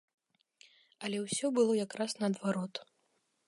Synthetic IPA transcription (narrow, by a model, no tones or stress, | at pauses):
ɐlʲɛwsʲɔbɨlˠɔjakɾasnɐːd̪vaɾɔt̪